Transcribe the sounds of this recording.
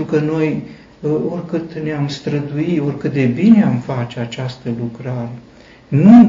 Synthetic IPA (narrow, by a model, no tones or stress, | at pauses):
ɾukəno̞j | o̞rʲkɨt̪neamst̪ɾəd̪uio̞rʲkɨt̪̚d̪e̞bineamfat͡ʃeat͡ʃast̪əlukɾaɾe̞ | nu